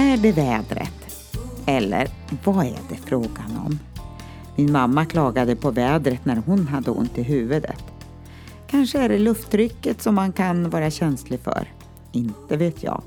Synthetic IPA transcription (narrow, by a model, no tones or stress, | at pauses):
æɖɛvɛːd̪ɾə̰t̪ | ɛlːə̰ɾ | vaæ̰ɖɛfɾoːɡanɔ̰m | mɪnmamːakʰlɑːɡad̪əpʰɔvɛːd̪ɾət̪næɾɦʊnɦad̪ːəʊ̰nt̪ɪɦʉ̟ːvəd̪ə̰t̪ | kʰanʂəæɖɛlɵft̪ɾʏkːət̪sɔmːankʰanvɑːɾaɕɛnslɪɡfœ̰ɾ | ɪnt̪əveːt̪ʰjɑ̰ːɡ